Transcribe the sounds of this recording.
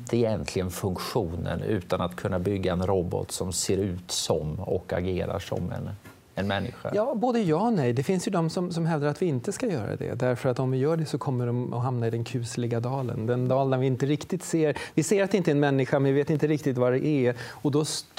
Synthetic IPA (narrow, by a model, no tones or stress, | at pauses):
t̪əɪjɛnt̪ʰlɪɡənfɵŋkɧuːnə̰nʉ̟ːt̪anat̪kʰɵnːabʏɡːaɛnɾɔbɔ̰t̪sɔmseːɾʉ̟ːt̪sɔmɔ̰ka̰ɡeːɾa̰ʂɔ̰mɛ̰n | ɛnmɛnːɪ̰ɧa̰jɑːboːd̪əjɑːnɛjd̪ɛfɪnsjɵd̪ɔmsɔmsɔmɦɛvd̪aɾat̪vɪɪnt̪əskajœːɾa̰d̪ɛ̰d̪æɾfœɾat̪ːɔmvɪjœːɖɛsɔkʰɔmːəɖɔmɔ̰ɦamnaɪd̪ɛnkʰʉ̟ːslɪɡad̪ɑːlə̰nd̪ɛnd̪ɑːld̪aɾvɪɪnt̪əɾɪkt̪ɪt̪seːɾvɪseːjɾat̪ɛɪnt̪əɛnmɛnːɪɧamɛnvɪveːt̪ɪnt̪əɾɪk̚t̪ɪt̪vaɖɛʔɛɔd̪ɔs